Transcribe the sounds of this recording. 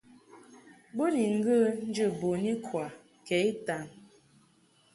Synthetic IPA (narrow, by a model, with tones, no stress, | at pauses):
bo˦ni˨ŋ̩˦ɡə˦n̩˦d͡ʒə˦˨bo˨ni˦kʰwa˨ | kɛ˨˦i˦ta˨n